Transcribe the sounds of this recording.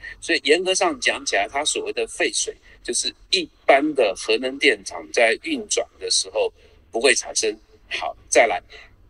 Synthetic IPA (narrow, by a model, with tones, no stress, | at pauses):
swɔ˧˥i˨˩jɛ˧˥nkɤ˧˥ʂɑ˥˩ŋt͡ɕjɑ˧˥ŋt͡ɕʰi˨˩la˧˥ɪt̪ʰa˥swɔ˨˩we˥˩ɪd̪ə˩fe˥˩ɪʂwe˨˩˦ɪt͡ɕjo˥˧ʊʂɻ̩˥˧i˥˩pa˥nd̪ə˨xɤ˧˥nə˧˥ŋt̪jɛ˥˩nʈ͡ʂʰɑ̰˨˩˦ŋt͡sa˥˧ɪy˥˩nʈ͡ʂwa̰˨˩nd̪ə˦ʂɻ̩˧˥xo˥˩ʊ | pu˧˥xwe˥˩ɪʈ͡ʂʰa̰˨˩nʂə˥ŋ | xɑ˨˩˦ʊt͡sa˥˩ɪla˧˥ɪ